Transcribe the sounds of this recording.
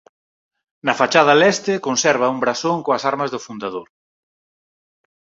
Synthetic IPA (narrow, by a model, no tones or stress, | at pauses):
nɐfat͡ʃað̞ɐlɛst̪ɪkonsɛɾβ̞ɐumbɾasoŋkoɐsaɾmɐzðʊfund̪aðoɾ